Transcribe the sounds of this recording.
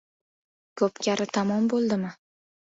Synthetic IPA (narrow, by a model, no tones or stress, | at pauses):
kʰɵpkʲʰaɾɪt̪ʰamɒmbolˠd̪ɪmɪ